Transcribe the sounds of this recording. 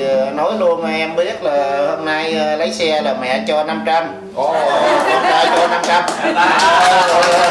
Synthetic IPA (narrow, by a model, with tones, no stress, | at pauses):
nɔ˨˦jlu˧ənma˨˩ʔɛ˧mɓi˦˥ət̚laː˨˩ho˧mna˧jːlə˨˦jsɛ˧laː˨˩mɛ̰˧˩˥t͡ɕɔ˧na˧mt͡ɕa˧m | ʔɔ˨˩˨ɔ˨˧t̪aː˧t͡ɕɔ˧na˧mt͡ɕa˧m˧ | ɔ˧˨˩